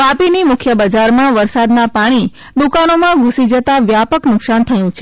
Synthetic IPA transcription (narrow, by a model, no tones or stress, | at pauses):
ʋapinimʊkʰjəbəd͡ʒaɾmãʋəɾsad̪napaɽ̃i | d̪ukanomãɡʱũsid͡ʒət̪aʋjapəknʊksant̪ʰəjũt͡ʃʰe